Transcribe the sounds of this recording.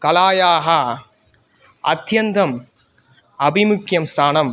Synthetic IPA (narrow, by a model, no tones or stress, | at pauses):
kɐlaːjaːɦɐ | ɐt̪ʰjɐnd̪ɐm | ɐbimʊkjɐmst̪ʰaːnɐm